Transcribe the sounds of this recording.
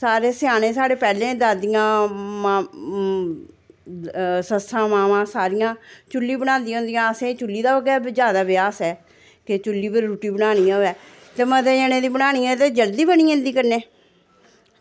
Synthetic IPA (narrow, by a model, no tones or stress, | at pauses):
saːɾeːsɪjaːnẽːsaːɽeːpɛːlẽːd̪aːd̪ijãːma | səsʰãːmaːʋãːsaːɾɪjãːt͡ʃʊlːiːbəɽ̃ãːnd̪ijãʊ̃nd̪ijãːəsẽːt͡ʃʊlːiːd̪aːʋəɡɛːzjaːd̪aːbɪjaːsɛː | kɪt͡ʃʊlːiːpəɾɾuːʈiːbəɽ̃aːñijãːoɛː | t̪eːmə̃t̪ɛːəɽ̃ẽːd̪iːbəɽaːñĩːãt̪eːd͡ʒəld̪iːbəñĩːʊ̃nd̪iːkəɾneː